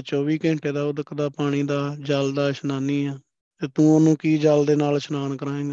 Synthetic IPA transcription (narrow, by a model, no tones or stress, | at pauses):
t͡ʃɔːʋiːkɛ̃ːɳʈeːd̪aːʊd̪əkd̪aːpaːɽ̃iːd̪aːd͡ʒəld̪aːʃənaːniːɛː | t̪eːt̪ũːonũːkiːd͡ʒəld̪eːnaːlʃənaːnkəɾaːẽːɡaː